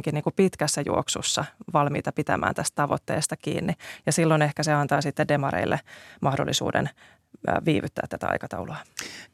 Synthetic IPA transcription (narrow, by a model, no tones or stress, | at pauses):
ŋkiniːŋkupit̪kæsːæjṵoksṵsːɑʋɑlmḭːt̪ɑpit̪æ̰mʔæ̰ːnt̪æst̪t̪ɑʋot̪ːeːst̪ɑkḭːnːijɑsilːonehkæseɑnt̪ɑːsit̪ːeddemɑɾḛilːʔḛmʔɑhdolːʔisṵːdḛnː | ʋiːʋyt̪ːæ̰ːt̪ːæt̪æ̰ɑ̰jkɑt̪ɑwluɑ